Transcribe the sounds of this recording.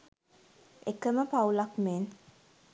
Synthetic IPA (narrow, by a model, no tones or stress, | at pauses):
ekəməpawlakmen